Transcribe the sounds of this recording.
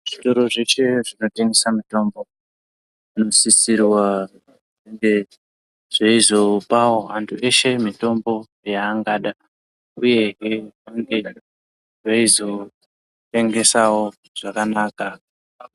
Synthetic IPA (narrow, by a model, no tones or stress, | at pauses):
ʐito̞ɾo̞ʐe̞ʃe̞ʐino̞teŋɡesamito̞mbo̞ | ino̞sisirwa | ʐeŋɡe̞ | ʐ̥aizo̞pawoantʰue̞ʃe̞mito̞mbo̞ | jaːŋɡaːɗa | uje̞ɦeaŋɡe̞ | ʐaizo̞ | te̞ŋɡe̞sawo̞ | ʐ̥akanaːka